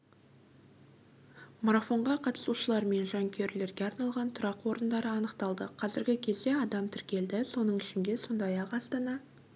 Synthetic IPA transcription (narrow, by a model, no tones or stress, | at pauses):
moɾafo̞ɴʁɑqʰɑt̪ə̥suʃəlˠɑɾme̞nʒɑŋkʲʰe̞ɾle̞ɾɡʲe̞ɑɾnɑlˠʁɑnt̪ʰʊɾɑqwo̞ɾənd̪ɑɾəɑnəqt̪ɑlˠd̪əqʰɑzɪɾɡʲɪkʲʰe̞zd̪e̞ɑd̪ɑmt̪ʰɪɾkʲe̞ld̪ɪso̞nəɴɪʃɪnd̪e̞so̞nd̪ɑjɑqɑst̪ɑnɑ